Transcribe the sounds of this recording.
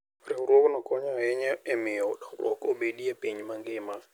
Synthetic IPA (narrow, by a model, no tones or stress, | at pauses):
rɪʊɾokʊnakʼɔɲaɛɲɛɛmɪɔdaṵrʔo̰koɓediapʼeɲimaŋɡeːma